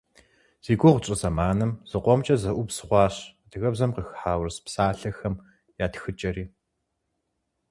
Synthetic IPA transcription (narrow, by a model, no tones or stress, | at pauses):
z̥iːɡʷʊʁʷt͡ʃʼɪzɐmaːnɨmz̥ɨqʷɔmt͡ʃʼɐzɐʔʷʊpsχʷɑːɕdɨɣɐbzɐmqəxħaːwrspsaːɬɐxɐm | jaːtxɨt͡ʃʼɐɾiː